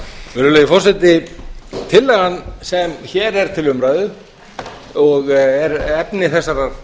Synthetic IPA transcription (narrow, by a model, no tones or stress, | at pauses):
vɪɾʏlɛːjɪfɔr̥sɛt̪ɪt̪ʰɪlːɛɣanːsɛmçɛɾɛɾ̥t̪ʰɪlʏmɾaːjðʏ | ɔɣɛɾɛpnɪθɛsːaɾaɾ